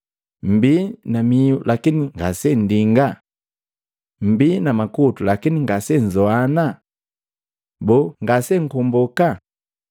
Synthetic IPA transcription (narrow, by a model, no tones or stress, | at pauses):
m̩binamiulʔakiniŋɡasɛndiŋɡa | m̩binamakutulakiniŋɡasɛnzɔana | bɔŋɡasɛŋ̩kɔmbɔka